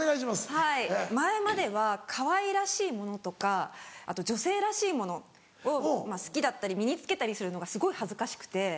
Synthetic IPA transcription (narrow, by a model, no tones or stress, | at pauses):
eɡaiɕimashaimaemad̪e̞β̞akʰaβaiɾaɕiːmo̞no̞t̪o̞kaat̪o̞d͡ʑo̞se̞ːɾaɕiːmo̞no̞ | omasɨ̥kʲid̪at̪ːaɾʲimʲiɲ̟it͡sɨ̥ke̞t̪aɾʲisɨɾɯ̟no̞ɡasɨɡo̞ihazɨkaɕi̥kɯ̟̥t̪e̞